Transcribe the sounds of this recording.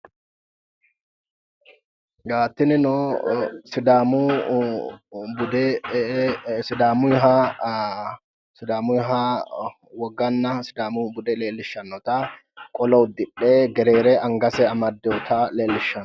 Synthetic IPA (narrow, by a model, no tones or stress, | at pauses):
ɡaːt̪ːɪnɪnɔ | sɪd̪aːmu | bʊd̪e | sɪd̪aːmʊɦa | sɪd̪aːmʊɦa | wɔɡːɐnːɐsɪd̪aːmubʊd̪ɛleːlːɪʃːɐnːɔt̪a | kʼɔlɐʊd̪ɪᶑːeːɡɛɾeːɾeːʔɐŋɡɐsɛɐmɐd̪ːɛʊt̪ʰaːleːlːɪʃɐnː